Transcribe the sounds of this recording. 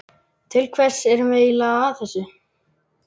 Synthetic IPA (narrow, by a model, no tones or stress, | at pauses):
t̪ʰɪlkʰvɛr̥sɛɾʏmɛðilaɣaθɛsːʏ